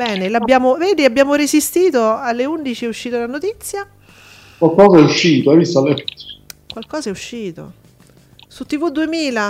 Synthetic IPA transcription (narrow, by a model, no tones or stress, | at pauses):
bɛːnelabjaːmoveːd̪iabjaːmoɾezist̪iːt̪oalːeund̪it͡ʃiɛuʃːiːt̪olanot̪it̪sːja | kwalkɔːzaɛuʃːiːt̪oɛjvist̪alɛt̪ːo̥kwalkɔːzaɛuʃːiːt̪o̰ | sut̪ːivud̪ːuemiːla